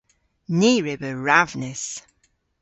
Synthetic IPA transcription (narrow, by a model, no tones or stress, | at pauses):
niːɹɪbəɹavnɪs